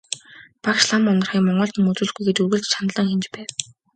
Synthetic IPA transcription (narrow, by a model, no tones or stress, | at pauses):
pakʃɮamʊnə̆r̥χiːŋmɔɴɢɞ̆ɮt̪ĭŋmɵt͡suːɮɡujɡet̪urɣɘ̆ɮt͡ɕt͡ɕʰanɮə̆ŋxemt͡ɕpæːw